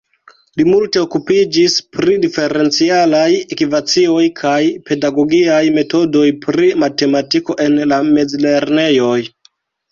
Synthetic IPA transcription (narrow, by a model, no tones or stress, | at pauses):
limulte̞okupid͡ʒispɾidife̞ɾe̞nt͡sialajekivat͡sio̞jkʰajpe̞daɡo̞ɡiajme̞to̞do̞jpɾimate̞matiko̞ʔe̞nlame̞d͡zle̞ɾne̞jo̞j